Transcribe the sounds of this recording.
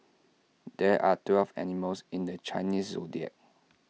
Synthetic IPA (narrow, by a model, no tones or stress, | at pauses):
dɛʔatwɛlvɛ̰niməlsĩndət͡ʃaɪnisːodiə̰t̚